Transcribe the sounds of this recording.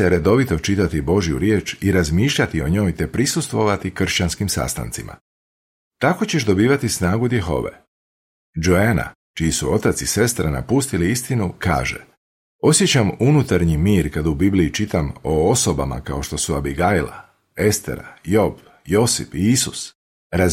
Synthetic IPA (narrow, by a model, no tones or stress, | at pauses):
eɾe̞d̪o̞ʋit̪o̞t͡ʃit̪at̪ibo̞ʒijṵɾje̞ːt͡ʃiɾazmiːʃʎat̪io̞ɲo̞ːjt̪e̞pɾisust̪ʋo̞ʋat̪ikr̩ʃt͡ɕanskimsa̰st̪a̰nt̪simʔa̰ | t̪ako̞t͡ɕe̞ʃd̪o̞biːʋat̪isnaːɡud̪je̞xo̞̰ʋe̞̰ | d͡ʒoena̰ | t͡ʃijisuo̞t̪at̪sise̞st̪ɾana̰pust̪iliist̪inuka̰ːʒḛ | o̞sje̞t͡ɕamunut̪aɾɲimiːɾkad̪ubibliːt͡ʃit̪amo̞oso̞ba̰ma̰kao̞ʃt̪o̞suabiɡajla̰ | e̞st̪ḛɾa̰jo̞b | jo̞sḭfiisus | ɾa